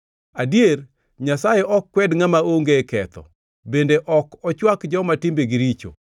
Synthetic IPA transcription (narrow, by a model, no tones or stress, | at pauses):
adier | ɲasajeʔɔkːwɛdŋamaoŋɡekɛt̪ɔ̰ | bendeʔɔkɔt͡ʃwakd͡ʒɔmatɪmbeɡiɾit͡ʃo̰